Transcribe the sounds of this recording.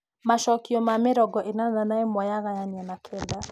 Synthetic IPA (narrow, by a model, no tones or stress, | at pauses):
maʃɔkiɔmameɾɔɡɔʔenananaemɔjaɣajanɛnakʰɛnda